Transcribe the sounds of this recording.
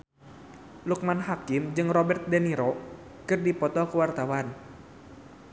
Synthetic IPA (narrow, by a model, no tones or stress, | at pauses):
luk̚manɦakimd͡ʒɨŋrɔbɛrt̪̚dɛniɾɔ | kɨrdipɔt̪ɔkuwart̪awan